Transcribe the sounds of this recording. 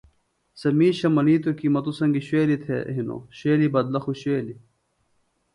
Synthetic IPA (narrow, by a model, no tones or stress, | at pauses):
sɐmiːɕɐmɐniːt̪okimɐt̪usɐŋɡiɕweːlit̪ʰḛɦino̰ɕweːlibɐd̪lɐxuɕweːli